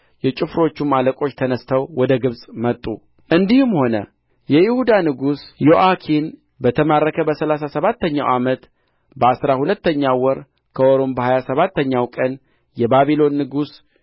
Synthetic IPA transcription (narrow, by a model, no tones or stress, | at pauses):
jɛt͡ʃʼɪfɾo̞t͡ʃːumːaləkʼo̞t͡ʃːt̪ʰənəst̪ʰəwwɔd̪əɡɨβsʼmət̪ʼːu | ʔɨnd̪ihɨmho̞nə̰ | jɛjɪhud̪anɨɡusjo̞ʔakʰin | bət̪ʰəmaɾəkʰəbəsəlasasəβat̪ːəɲːawʔamət̪ | bəasɾahulət̪ːəɲːawɔɾ | kʰəʔoɾo̞mbəhajasəβat̪ːəɲːawkʼən | jɛbaβilo̞nːɨɡus